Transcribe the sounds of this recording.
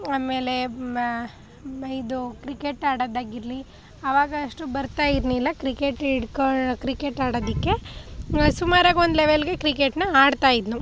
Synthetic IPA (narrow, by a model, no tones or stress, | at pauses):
aːme̞ːle̞ | id̪ukɾikeʈaːɽɐd̪aːɡiɾli | ɐʋaːɡɐːʂʈubɐɾt̪aːjiɾnuilːɐkɾikeʈiɽkokɾikeʈaːɽod̪ikːe̞ | sumaːɾɐɡond̪lɛʋelɡe̞kɾikeʈnɐaːɖt̪aːjid̪nu